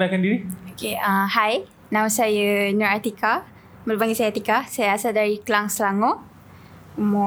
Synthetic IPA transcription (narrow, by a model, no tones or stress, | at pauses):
lakandiɾiokeahaj | nãwsajənɔɾat̪ika | məlopaŋɡiʔsajat̪ikasajaasaldaɾikəlaŋsəlaŋɔʔ | mɔ